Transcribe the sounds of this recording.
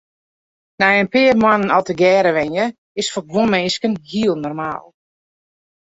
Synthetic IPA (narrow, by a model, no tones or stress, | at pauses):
nɛjənpɪːrmanənɔlˠtəɡɛːɾəʋɛnjə | ɪsfɔɡʋonmɪnskənhiəlˠnɔrma̰ːlˠ